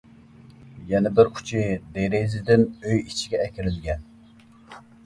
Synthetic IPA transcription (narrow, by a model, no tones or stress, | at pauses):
jɛnɪbɪɾqʰʊ̥t͡ʃʰɪd̪eɾezɪd̪ɪnøjit͡ʃʰiɡʲɛkʲɪɾɪlɪɡʲɛn